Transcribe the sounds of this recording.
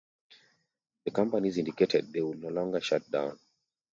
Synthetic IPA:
ðəkãmpanizĩndiketʰɛd̚ðewudnolɔ̃ŋɡəʃat̚dã̰ʊ̃n

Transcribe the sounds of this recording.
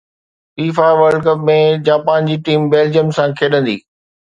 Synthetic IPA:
fiːfaʋəɾɖkɐpmẽd͡ʑaːpaːnd͡ʑiːʈiːmbeːld͡ʑiəmsãkʰeːɗə̃nd̪ḭː

